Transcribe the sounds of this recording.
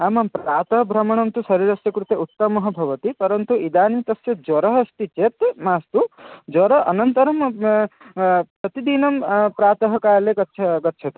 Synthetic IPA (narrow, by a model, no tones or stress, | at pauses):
aːmɐmpɾaːt̪ɐɦbʱɾɐmɐɽ̃ɐmt̪usɐɾiɾɐsjɐkɾut̪eut̪ːɐmɐɦɐbʱɐʋɐt̪ipɐɾɐnt̪uʔid̪aːnit̪ɐsjɐd͡ʒwɔɾɐɦst̪it͡ʃet̪maːst̪ud͡ʒɔɾɐʔɐnɐnt̪ɐɾɐm | pɾɐt̪id̪inɐmpɾaːt̪ɐɦɐkaːɾlekɐt͡ʃʰɡɐt̪ːt͡ʃʰɐt̪u̥